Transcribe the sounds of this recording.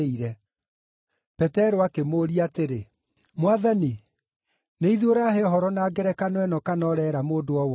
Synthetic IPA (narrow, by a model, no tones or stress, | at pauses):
iɾɛ | pɛtɛɾoakemoːɾiateɾe | mwaðani | neiðoɾaheɔɦɔɾɔnaːɡɛɾɛkanwɛnɔkanɔɾɛɾamoːdoɔwɔ